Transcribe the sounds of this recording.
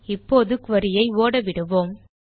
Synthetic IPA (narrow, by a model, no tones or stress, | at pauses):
ɪpːoːðɯkʊʋɐɾɪjɐɪoːɽɐʋɪɽɯʋoːm